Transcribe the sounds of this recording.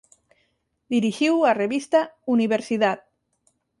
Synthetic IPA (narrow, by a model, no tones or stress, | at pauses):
d̪iɾiʒiwareβist̪auniβ̞eɾsiðat̪̚